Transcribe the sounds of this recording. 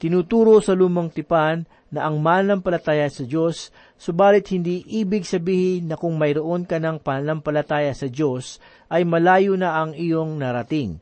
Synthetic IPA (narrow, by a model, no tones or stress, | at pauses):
t̪ɪnuːt̪uːɾo̞sɐluːmɐŋt̪ɪpanː | ɐʔɐŋmaːnɐnɐmpɐlɐt̪aːjɐsɐd͡ʒo̞sː | obaːlɪt̪̚hɪnd̪iːʔiːbɪɡsɐbiːhɪnːɐkʊŋmɐjɾoʔo̞nkɐnɐŋpɐnɐmpɐlɐt̪aːjɐsɐd͡ʒo̞s | ʔɐjmɐlaːjonɐʔɐŋɪjo̞ŋnɐɾɐt̪ɪŋ